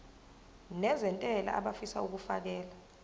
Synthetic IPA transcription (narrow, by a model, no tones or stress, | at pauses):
nɛzɛntʼɛla̰a̰ɓafisa̰uk̬ufak̬ɛːla